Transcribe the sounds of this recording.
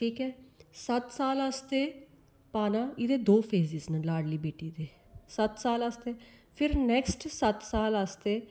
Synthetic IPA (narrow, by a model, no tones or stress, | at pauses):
ʈʰiːkɛːsət̪saːlast̪eː | paːnaːɪd̪eːd̪oːpʰeːzɪznəlaːɽliːbeːʈiːd̪eː | sət̪saːləst̪eː | pʰɪɾnɛːksʈsət̪saːləst̪eː